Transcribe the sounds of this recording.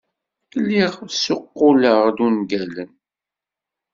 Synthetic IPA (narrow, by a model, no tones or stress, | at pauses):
lːiʁsʊqːʊləʁðunɡælən